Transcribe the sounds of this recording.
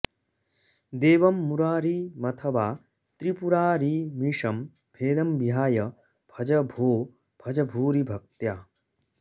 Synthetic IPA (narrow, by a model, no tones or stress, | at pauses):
d̪eːʋɐmːuɾaːɾimɐt̪ʰɐʋaː | t̪ɾipuɾaːɾimiʂɐm | b̥ʱeːd̪ɐmbiɦaːjɐ | b̥ʱɐd͡ʒɐbʱoː | b̥ʱɐd͡ʒɐbʱuːɾibʱɐk̚t̪jaː